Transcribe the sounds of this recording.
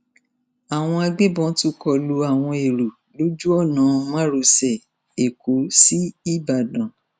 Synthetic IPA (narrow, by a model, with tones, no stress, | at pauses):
a˨w̃ɔ̃˧a˧ɡ͡be˦bɔ̃˨˦tu˦kɔ˧˨lu˧a˦˨w̃ɔ̃˧e˨ɾu˨ | lo˦d͡ʒu˦ɔ˦˨nã˨˦m˦ã˦ɾo˨˧sɛ˨ | e˨ko˨˦si˦i˦˨ba˨dã˨